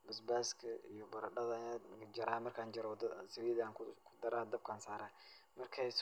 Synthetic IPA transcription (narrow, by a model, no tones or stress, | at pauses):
bɐsbaːskʰɐʔḭjɔbɐɾɐɗɐðɐjad͡ʒɐɾaːmɐrkʰaːnd͡ʒɐɾd̪sɐwiːðaːkkʰʊ̥d̪ɐɾaːd̪ɐb̚kʰaːnsaːɾaː | mɐrkʰɛs